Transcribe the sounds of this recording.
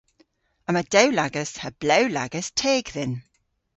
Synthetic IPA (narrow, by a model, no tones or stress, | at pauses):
əməd̥ɛwlaɡəshəb̥lɛwlaɡəstʰeːɡðɪn